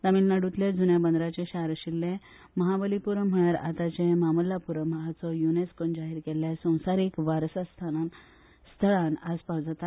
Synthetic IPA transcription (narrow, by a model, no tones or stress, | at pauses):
t̪amiːlnəɽut̪led͡zunjabənd̪ɾat͡ɕeɕaɾɕilːẽ | məɦabəlipuɾəm̤əjaɾa̰t̪at͡ɕẽmaməlːapuɾəm̤əɦat͡sɔjuneskond͡ʑaɦiɾkeljasə̃w̃saɾikʋaɾsast̪ʰanan | st̪ʰəɭanaspawd͡zat̪a